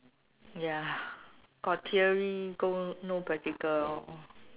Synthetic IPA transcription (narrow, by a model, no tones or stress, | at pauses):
ja | kɔtʰiəɹiɡonopɹatikəl